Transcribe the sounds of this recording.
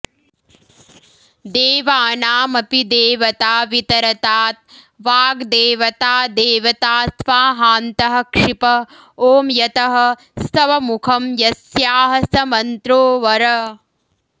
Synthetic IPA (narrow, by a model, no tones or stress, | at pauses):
d̪eːʋaːnaːmɐpid̪eːʋɐt̪aːʋit̪ɐɾɐt̪aːt̪̚ | ʋaːɡd̪eːʋɐt̪aːd̪eːʋɐt̪aːsʋaːɦaːnt̪ɐɦɐ̆kʂipɐ | oːmjɐt̪ɐɦɐ̆ | st̪ɐʋɐmukʰɐmjɐsjaːɦɐsɐmɐnt̪ɾoːʋɐɾɐ